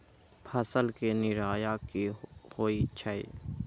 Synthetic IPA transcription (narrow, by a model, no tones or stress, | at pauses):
pʰəsəlkenɪɾaːjaːkihoːit͡ʃʰəḭː